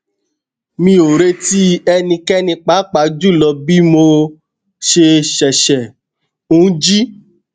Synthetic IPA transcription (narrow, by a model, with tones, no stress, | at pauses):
mĩ˧˦o˨ɾe˧ti˦ɛ˧nĩ˧kɛ˦nĩ˧k͡pa˨˦k͡pa˨˦d͡ʒu˦˨lɔ˧bi˦mo˧ | ʃe˧ʃɛ˨ʃɛ˨ | ũ˨˦d͡ʒi˦